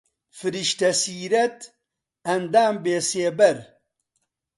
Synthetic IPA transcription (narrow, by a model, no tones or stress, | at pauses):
fɨɾiʃt̪ɐsiːɾɐt̪ | ɐnd̪aːmbeːseːbɐɾ